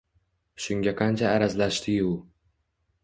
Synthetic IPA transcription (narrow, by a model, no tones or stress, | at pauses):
ʃʊŋɡʲaqʰɑnt͡ʃʰaːɾazlaʃt̪ʰɪʊ